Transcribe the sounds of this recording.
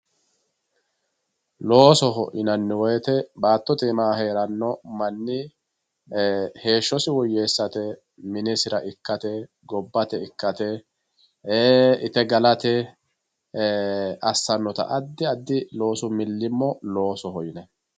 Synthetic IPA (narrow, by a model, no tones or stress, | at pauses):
lo̞ːsɔɦɔʔɪnɐnːɪwɔjɛt̪ɛbaːt̪ːɔt̪ɪːmaːɦe̞ːɾɐnːɔmɐnːɪ | he̞ːʃːɔsɪwɔjːe̞ːsːɐt̪ɛ | mɪnɛsɪɾɐʔɪkːɐt̪ɛ | ɡɔbːɐt̪ɛɪkːɐt̪ɛ | eːɪt̪ɛɡɐlɐt̪ɛ | ɐsːɐnːɔt̪ɐ̰ʔɐd̪ːɪɐd̪ːɪlo̞ːsʊmɪlːɪmːɔlo̞ːsɔhɔɪnɛ